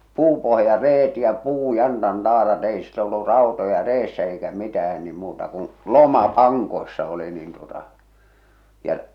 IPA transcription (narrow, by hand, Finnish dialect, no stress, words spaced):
puːpohjɑreːt jɑ puːjɑntɑntɑːrɑt ei silːo olːu rɑˑotojɑ reːsːæ eikæ mitæhæn ni muːtɑ kũː lomɑ pɑŋkoi̞sːɑ oli niːn tuotɑ jɑ